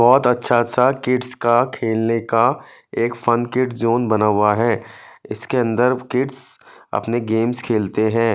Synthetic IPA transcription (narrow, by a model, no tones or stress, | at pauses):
bɔːt̪ɐtːʃʰatːʃʰakɪʈskakʰeːlneka | eːkfɐnkɪʈzoːnbɐnaːwaɦɛːɪskeɐ̃nd̪əɾkɪʈsɐ̰pneɡeːmskʰeːlt̪eɦɛ̃ː